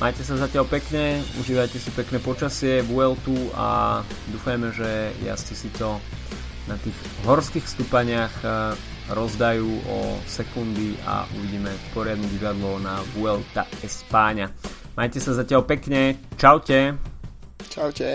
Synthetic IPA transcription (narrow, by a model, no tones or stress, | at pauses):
mʔaːjcɛsazacɪaʎpɛkɲɛṵʒiːʋajcɛsipɛknɛːpɔt͡ʃasɪɛʋuɛlt̪ua̰d̪uːfajmɛʒɛja̰st̪isit̪ɔ | nat̪iːɣ | ɦɔɾskiːxfst̪upaɲɪax | ɾɔzd̪ajuːʔɔ̰sɛkund̪ia̰ʔṵʋiɟiːmɛpɔɾɪad̪nuɟiʋad̪lɔnaʋuɛlt̪a̰ɛspaːɲa | majcɛsazacɪaʎpɛkɲɛt͡ʃawcɛ | t͡ʃawcɛ